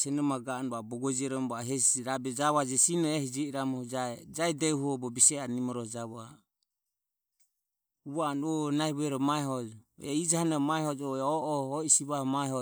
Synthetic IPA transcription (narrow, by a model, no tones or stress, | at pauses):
sɛnɔmaɡanubabɔɡɔd͡ʒiɛɾɔmbaɦɛsiɾabɛd͡ʒaβad͡ʒɛsinɔɛhid͡ʒɛiɾamɔhɔd͡ʒad͡ʒaɛd̪ɛuɦuɔbɔbisɛanimɔɾɔhɔd͡ʒaβa̰ | uβaːnɔnaiβuɛɾɔmaɛɦɔd͡ʒɔɛ̰id͡ʒahanamaɛhɔd͡ʒɔɛɔʔɔɔisiβahɔmaɛɦɔ